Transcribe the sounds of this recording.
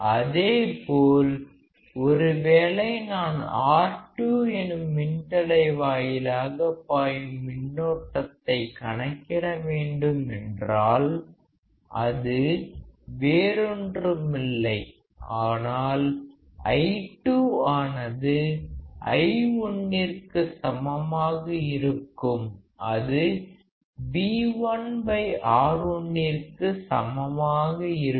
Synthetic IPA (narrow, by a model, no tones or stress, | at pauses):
ɐðeːpoːl | ɔɾɯʋeːlɐɪnaːnaːʈːuːɛnɯmːɪnt̪ɐɽɐɪʋaːjɪlaːɣɐpːaːjɯmːɪnːoːʈːɐt̪ːɐɪkɐɳɐkːɪɽɐʋeːɳɖɯmɛndraːl | ʔɐðɯ | ʋeːɾɔndrɯmɪlːɐɪ | aːnaːl | ɐ̰ɪʈːuaːnɐðɯʔɐ̰ɪɔɳːɪrkɯsɐmɐmaːɣɐɪɾɯkːɯm | ʔɐðɯ | biːʋɐnbɐɪʔaːɾɔɳːɪrkɯsɐ̰mɐmaːɣɐɪɾ